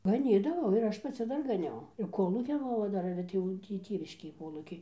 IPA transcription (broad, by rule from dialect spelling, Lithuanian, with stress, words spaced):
ɡɐˈnʲiːdɐʋɐʊ ɪr ˈɐʃ pɐˈt͡sʲɪ ˈdɐr ɡɐˈnʲɛʊ ɪr ˈkoːlˠuːkʲɪn ˈoːʋɐ ˈdɐr ɪr ɐtʲˈeːjɛʊ ˈtʲiː ˈtʲeːʋʲɪʃʲkʲeːj ˈkoːlˠuːkʲɛɪ